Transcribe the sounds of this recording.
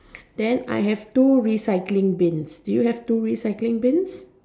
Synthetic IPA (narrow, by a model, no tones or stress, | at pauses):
d̥ɛ̃na̰jɦɛvtuɹisaɪklɪ̃ŋbɪ̃nsd̥ujuhɛvtuɹisaɪklɪ̃ŋbɪ̃ns